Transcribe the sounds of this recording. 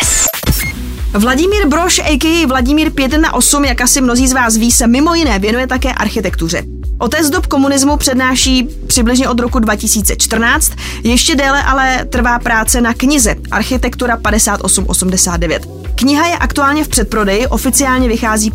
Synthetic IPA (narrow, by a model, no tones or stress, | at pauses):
vlaɟɪmiːɾbɾo̞ʃʔɛjkɪjɪvlaɟɪmiːɾpjɛt̪na̰ʔo̞sumjakasɪmno̞ziːzvaːs̬viːsɛmɪmo̞jɪnɛːvjɛnujɛt̪akɛːʔa̰ɾxɪt̪ɛkt̪ur̝ɛ̰ | ʔo̞t̪ɛd͡zd̪opko̞munɪzmupr̥ɛdnaːʃiː | pr̥ɪblɪʒɲɛʔo̞d̪ɾo̞kudvacɪsiːt͡sɛt͡ʃt̪r̩naːt͡st̪ | jɛʃcɛdɛːlɛʔalɛt̪r̩vaːpɾaːt͡sɛnakɲɪzɛʔa̰ɾxɪt̪ɛkt̪uɾapadɛsaːt̪ʔo̞sumʔo̞sumdɛsaːd̪̚dɛvjɛ̰t̪ | kɲɪɦajɛʔakt̪uaːlɲɛfpr̝̥ɛt̪̚pɾo̞dɛjɪʔo̞fɪt͡sɪaːlɲɛvɪxaːziː